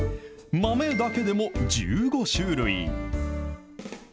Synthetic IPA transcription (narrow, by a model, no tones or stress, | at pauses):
mame̞d̪ake̞d̪e̞mo̞d͡ʑɨɡo̞ɕɨːɾɯ̟ḭ